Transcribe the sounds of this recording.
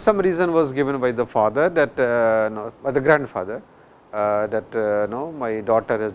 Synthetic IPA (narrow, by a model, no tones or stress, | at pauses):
sʌ̃mɾiːzə̃nʋɔːzɡɪʋə̃nbaɪd̪əfaːd̪əɾd̪ɛʈnobaɪd̪əɡɾæ̃ːɳɖfa̰ːd̪əɾ | d̪ɛʈnoːmaɪɖɔːʈəɾɦɛz